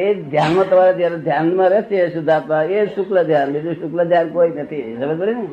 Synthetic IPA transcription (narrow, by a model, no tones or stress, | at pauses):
ed̪ʱjanmãt̪əmaɾed͡ʒ̪jaɾed̪ʱjanmãɾɛt͡ʃeʃud̪ʱapaeʃukləd̪ʱjanbid͡ʒũʃukləd̪ʱjankoːinət̪ʰisəbəd͡ʒbəɽin